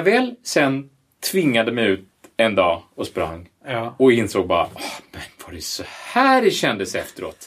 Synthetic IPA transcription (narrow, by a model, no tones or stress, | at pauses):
vɛːlsɛn | t̪ʰvɪŋːad̪əmɛjʉ̟ːt̪̚ɛnd̪ɑːɔspɾa̰ŋː | ɔɪnsoːɡ̚bɑːɾa̰ɔmɛnvaɾɛsɔhæːɾɛɕɛnd̪əsɛft̪əɾo̰ːt̪